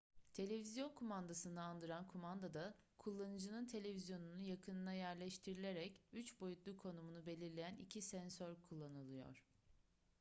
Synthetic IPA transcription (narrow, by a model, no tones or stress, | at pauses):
t̪ʰe̞lʲe̞vizjo̞nkʰomand̪asɯnaːnd̪ɯɾankʰumand̪ad̪akʰulˠːanɯd͡ʒɯnɯnt̪ʰe̞lʲe̞vizjo̞nunujakʰɯnɯnajæɾlʲɛʃt̪ʰiɾilʲe̞ɾɛcyt͡ʃbo̞jut̪lˠukʰo̞numunube̞lʲiɾlʲe̞jænicʰisɛnsøɾkʰulˠːanɯlˠɯjo̰ɾ̥